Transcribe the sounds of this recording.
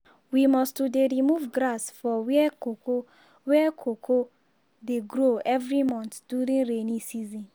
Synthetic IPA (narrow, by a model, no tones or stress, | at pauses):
wimɔstudeɾimuvɡɾasfɔwoo | wɛkʰokʰo | deɡɾoɛvɾimɔ̃ntd̥uɾĩnɹenisizĩn